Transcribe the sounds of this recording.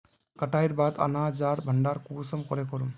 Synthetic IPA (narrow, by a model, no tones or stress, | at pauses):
kəʈajɾbad̪a̰nad͡ʒaɾbʱəɳɖaɾkusɔmkɔɾekɔɾum